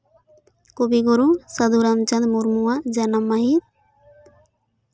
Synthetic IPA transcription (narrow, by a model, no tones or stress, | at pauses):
kobiɡoɾusɐd̪uɾamt͡ʃɐ̃nd̪muɾmuwad͡ʒɐnamːaɦit̪̚